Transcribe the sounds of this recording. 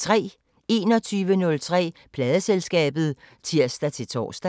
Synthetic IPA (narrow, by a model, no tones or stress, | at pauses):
t͡sʰʁɛ̰ː | e̝ːnɒ̽t͡sʰyːʋənɔ̽lt͡sʰʁɛ̰ːpʰlɛːð̞ˠəselsɡ̥ɛ̰ːb̥ð̞̩ˠ | t͡sʰiɐ̰sd̥æt͡sʰe̝lt͡sʰɒ̰ːsd̥æ